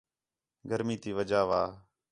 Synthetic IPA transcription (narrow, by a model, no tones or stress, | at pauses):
ɡəɾmiːt̪iːʋəd͡ʒaːʋaː